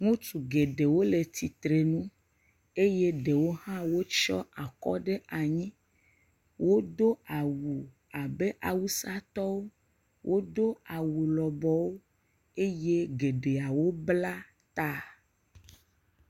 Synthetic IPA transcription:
ŋũ˦tu˨ɡe˨ɖe˨wo˦le˨t̪i˨t̪ɾe˨nũ˦ | e˦je˦ɖe˨wo˦ɦã˦wo˦t͡ʃɔ˦a˨kɔ̰˦ɖe˦ʔa˨ɲĩ˦ | wo˦d̪o˦a˨wu˨ | a˨be˦ʔa˨wu˦sa˦t̪ɔ˦wo˦ | wʔo˦d̪o˦a˨wu˨lɔ˨bɔ˦wo˦ | e˦je˦ɡe˨ɖe˨a˨wo˦bla˦ | t̪a˦

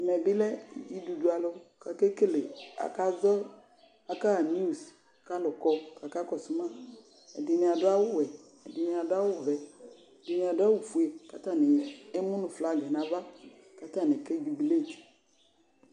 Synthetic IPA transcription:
mɛ˨bi˦lɛ˦ḭ˨d͡ʒi˦du˨du˨˦a˨lo˦ka˨ke˦ke˦le˨a̰˨ka˦zɔ˦ | a˨ka˦˨n˦u˦˨s | ka˦lɔ˨kɔ˦ka˨ka˦kɔ˨su˦mã˦ | ḛ˨dɪ˨nẽ˨a˨do˦a˦wʊ˦wɛ˨ | e˨di˨nẽ˨a˨do˦a˦wʊ˦vɛ˨ | dɪ˨nẽ˨a˨dʊ˦a˦wu˨fu˨e˨ka˦t̪a˦˨ne˨jɛ˨e˦mũ˦nʊ̃˨fla˨ɡɛ˨nã˨va˦ | ka˦t̪a˦˨ne˨ke˦d͡ʒu˨bi˨le˦˨t

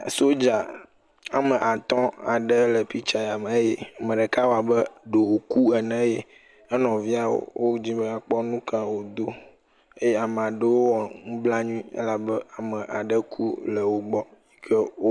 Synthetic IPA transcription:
so˦d͡ʒa˨ | a˨mə˨ʔa˨t̪ɔ̃˦a̰˨ɖə˦lə˨pi˦t͡ʃa˨ja˨m˦je˦a˨mə̃˨ɖə˨ka˦wo˦a˨bə˦ɖo˨o˨ku˦ɛ˨nɛ̃˦je˦ | ə˦nɔ̃˨vi˦a˦wo̰˨wʔo˦d͡ʑĩ˦bə˦a˨k͡pɔ˦nũ˦kã˦wo˨d̪o˦ | e˦je˦a˨me˨a˨ɖə˦wo˦wɔ˨ŋũ˦bla˦ɲũ˦ĩ˦ə̰˦la˨bə˦a˨mə̃˨ʔa̰˨ɖə˦kʰu˦lə˨wo˦ɡ͡bɔ˦i˦kʰə˦o˦

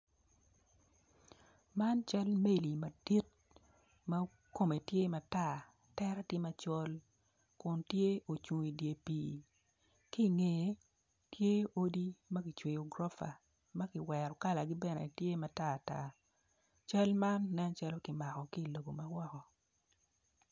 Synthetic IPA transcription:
ma˦nt͡ʃa˦lme˦li˨ma˨di˦t̚ | ma˦ | ko˦me˨tje˦ma˨ta˦˨ | tɛ˦ɾa˦tje˦ma˦t͡ʃɔ˦l | kʊ˨ntje˦o˨t͡ʃu˨ŋi˨dje˨piː˨ | ki˦˨ŋe˨˦ | tje˦o˦di˦mɐ˦kɪ˨t͡ʃwe˨jo˨ɡɾɔ˦fa̰˨ | mɐ˦kɪ˨wɛ˨ɾɔ˨ka˦la˨ɡɪ˦bɛ˦nɛ̰˨tje˦ma˨ta˦˨ta̰˦ | t͡ʃa˦lma˦nːɛ˦nt͡ʃa˦lo˦kɪ˨ma˨kɔ˨ki˦˨lo˨ɡo˨ma˦wɔ˦kɔ˨

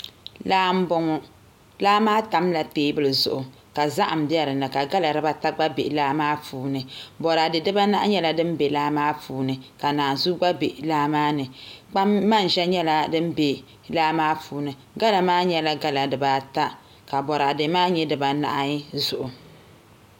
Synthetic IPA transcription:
laː˦m̩˦bɔ˦ŋɔ˨ | laː˦maː˦ta˨˦mla˨peː˦bɨ˦lɨ˨zʊ̰˨ʔʊ˨ | ka˨za˦ʔa˨m̩˨bɛ˦ɾɨ˨nɨ˨ka˨ɡa˦la˨ɾɨ˦ba˦ta˦ɡ͡ba˦be˨laː˦maː˦fuː˨˦nɨ˨bɔ˨ɾaː˨dɨ˨dɨ˦ba˦na˦ʔa˦ɲɛ˦la˨dɨ˦m˦be˨laː˦maː˦fuː˨˦nɨ˨ka˨naː˨nzu˦ɡ͡ba˦be˨ʔlaː˦maː˦nɨ˨k͡pa˦mːa˦˨n˨ʒɛ˦ɲɛ˦la˨dɨ˦m˦be˨ | laː˦maː˦fuː˨˦nɨ˨ | ɡa˦la˨maː˦ɲɛ˦la˦ɡa˦la˨dɨ˨ba˨ta˦ | ka˨bɔ˨ɾa˨de˨˦maː˦ɲɛ˦dɨ˨ba˨na̰˨ʔa˨˦zʊ˨ʔʊ˨

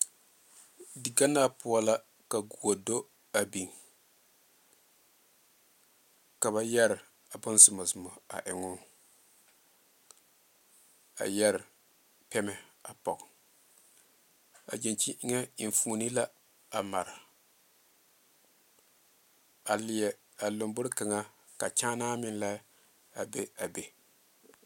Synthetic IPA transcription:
dɪ˨ɡa˦na˦pʊ˦a˦la˦ | ka˨ɡu˨o˨do˦ | a˨bi˨ŋ | ka˨βa˦jɛ˦ɾɪ˨ | a˨bʊ˦n˦zɪ˨ma˨zɨ˨mɔ˨a̰˨ʔɪ˨ŋʊ˦ | a̰˨jɛ˦ɾɪ˨ | pɛ˦mɛ˨a˨pɔ˨ɡ | a̰˨d͡ʒi˨nt͡ʃi˦ʔŋa˦i˨fuː˨ni˦la˦ | a˨ma˨ɾɪ˨ | a˨lɪ˨jɛ˨ | a˨lo˨mbʊ˦ɾka˨ŋa˦ | ka˨t͡ʃaː˦naː˦mɪ˦nla˦ | a˨be˦a˨be˨

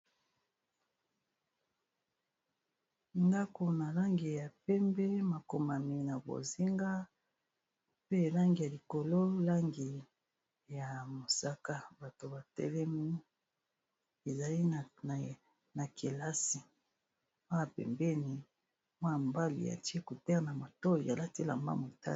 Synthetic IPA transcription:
nda˦ko˨na˨la˦ŋɡi˨ja˨pɛ˦mbɛ˦ma˨ko˨ma˨mi˨na˨bo̰˨zi˦ŋɡa˦ | pe˦˨la˦ŋɡi˨ja˨li˨ko˨lo˦la˦ŋɡi˨ | ja˨mo˨sa˦ka˦ba˨to˨ba˨tɛ̰˦lɛ˦mi˦ | e˨za˨li˦˨ | na˨ki˨la˦si˨ | mwa˦ja˨pɛ̰˨mbɛ˦ni˨ | mwa˦˨mba˦lḭ˨ja̰˨ti˦e˦ko˨tɛ˦˨na˨ma˨to˦i˨ja˨la˦ti˦la̰˨mba̰˦mo˨ta̰˦

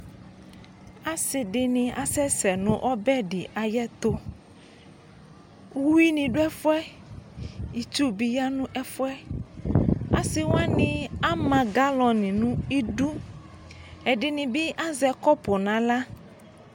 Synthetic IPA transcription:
a˦sɪ˨dɪ˨nɪ̃˨a̰˨sɛ˦sɛ˨nʊ̃˦ʔɔ˦bɛ˦dɪ˨ʔa˨jɛ˦t̪ʊ˦˨ | wi˦nɪ̃˨ɖʊ˦ɛ˦fʊ˦ɛ˦ | i˨t͡ʃu˦bi˨ja˦nʊ̃˦ʔɛ˦fʊ˦ɛ˦ | a̰˨sɪ˨w̃a˦nɪ̃˨a˦mã˨ɡa˦lɔ˨nɪ̃˨nʊ̃˦i˦du˦ | ɛ˨dɪ˨nɪ̃˨bɪ˦ʔa˦zɛ˨kɔ˦pʊ˨nã˨la˦

